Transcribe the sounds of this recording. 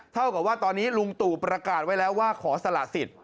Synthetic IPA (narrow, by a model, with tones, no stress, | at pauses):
t̪ʰa˥˩wka˨˩p̚waː˥˩t̪ɔː˧nːiː˦˥lu˧ŋt̪uː˨˩pɾa˧kaː˨˩t̪̚wa˦˥jlɛː˦˥waː˥˩kʰɔː˩˦sa˧la˨˩si˨˩t̪̚